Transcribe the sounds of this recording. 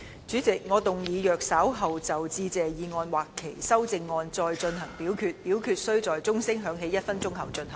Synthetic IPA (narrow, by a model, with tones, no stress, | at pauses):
t͡syː˨˥t͡sɪ˨k̚ŋɔː˨˧t̪ʊ˨ŋjiː˨˧jœː˨k̚saː˨˥wɦɐ˨wt͡sɐ˨wt͡siː˧t͡sɛː˨jiː˨˧ŋɔː˧nwaː˨˩kʰːe˨˩jsɐ˥wt͡sɪ˧ŋːɔː˧nt͡sɔː˧jt͡ʃɵ˧nɦɐ˨˩ŋpiː˨˥wkʰyː˨˧t̚piː˨˥wkʰyː˨˧t̚sɵ˥ɥt͡sɔː˨jt͡sʊ˥ŋsɪ˥ŋɦœː˨˧˥ŋɦe˨˥jɐ˥t̚fɐ˥nt͡sʊ˥ŋkʰɐ˨˩wt͡ʃɵ˧nhɐ˨˩